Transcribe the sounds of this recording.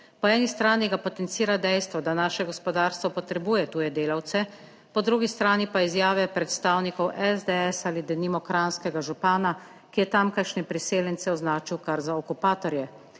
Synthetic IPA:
pɔɛːnist̪ɾaːniɡapɔt̪ɛnt̪siːɾad̪ɛjst̪ʋɔd̪anaːʃɛɡɔspɔd̪aːɾst̪ʋɔpɔt̪ɾɛbuːjɛt̪uːjɛd̪eːlawt̪sɛ | pɔd̪ɾuːɡist̪ɾaːnipaizjaːʋɛpɾɛt̪st̪aːwnikɔwʔɛzd̪ɛɛsaːlid̪ɛnimɔkɾanskɛɡaʒupaːna | kijɛt̪amkaʃnɛpɾiseːljɛnt̪sɛɔznaːt͡ʃiwkaɾzaɔkupaːt̪ɔɾjɛ

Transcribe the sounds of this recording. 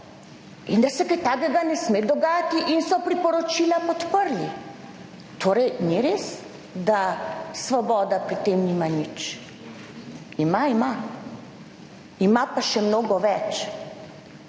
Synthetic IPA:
ind̪asɛkajt̪aːkɛɡanɛsmed̪ɔɡaːjat̪iʔinsɔpɾipɔɾɔt͡ʃiːlapɔt̪pəɾli | t̪ʰoːɾɛjniɾeːs | d̪asʋɔbɔːd̪apɾit̪emniːmanit͡ʃ | imaima | imapaʃɛmnoːɡɔʋɛt͡ʃ

